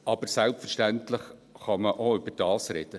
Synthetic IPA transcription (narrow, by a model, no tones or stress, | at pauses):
ɑbəɾsɛlpfəɾʃtæntlɪχχɑməʔoʏbəɾd̥ɑːsɾɛd̥ə